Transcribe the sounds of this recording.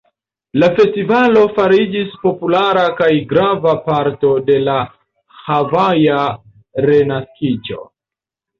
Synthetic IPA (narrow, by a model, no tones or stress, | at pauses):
lafe̞stivalo̞faɾid͡ʒispo̞pulaɾakajɡɾavapaɾto̞de̞la | havaja | ɾe̞naskid͡ʒo̞̰